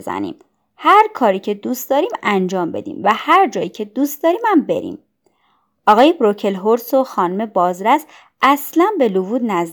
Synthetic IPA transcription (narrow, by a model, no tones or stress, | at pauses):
zæ̰nḭːm | hæɾkʰɒːɾiːcʰe̞d̪uːst̪̚d̪ɒːɾiːmænd͡ʒɒːmbe̞̰d̪ḭːmvæhæɾd͡ʒɒːiːcʰe̞d̪ust̪̚d̪ɒːɾiːmæmbe̞̰ɾḭm | ʔɒːɣɒːjebɾo̞cʰe̞lɦoɾso̞xɒːnume̞bɒːzɾæs | ʔæslænbe̞luvuːd̪næz